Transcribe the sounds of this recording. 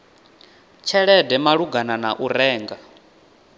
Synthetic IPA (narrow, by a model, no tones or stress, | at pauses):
t͡ʃʰɛɺɛdɛmaɺuɡananaʔuɾɛːŋɡa